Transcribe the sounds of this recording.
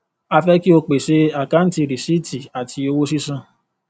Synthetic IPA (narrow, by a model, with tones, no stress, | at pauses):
a˧fɛ˦ki˦o˧k͡pe˨ʃe˧a˦˨ka˦n̩˦ti˧ɾi˨si˦˨tʰi˨a˨tʰi˧o˧wo˦si˦sã˦˧